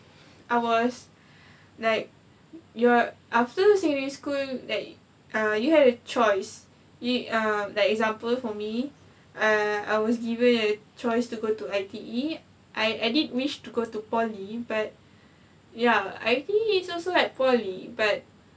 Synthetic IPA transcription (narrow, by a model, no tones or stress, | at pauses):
ʔaɪwɔs | laɪk̚ | jɔʔaftəəsɛ̃ŋdeskuldɛt̚ | ʔʌ̃juhɛɾət͡ʃɔɪs | juʌ̃dɛtɛkzãmpəlfɔmi | aa̰ɪwɔsɡivə̃nət͡ʃɔɪstuɡotuaɪtii | ʔaɪaɪdidə̃nwiʃtuɡotupɔlibat̚ | jaa̰ɪtiiːsɔlsolɛt̚pɔlibat̚